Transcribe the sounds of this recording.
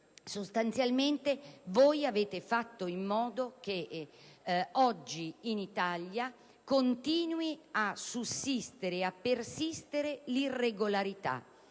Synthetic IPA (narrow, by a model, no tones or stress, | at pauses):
sost̪ant̪sjalment̪evɔjaveːt̪efat̪ːoimːɔːd̪ok̟e | ɔd͡ʒːiːnit̪alːja | kont̪iːnwiasusːist̪eɾeapːersist̪eɾelirːeɡolaɾit̪a̰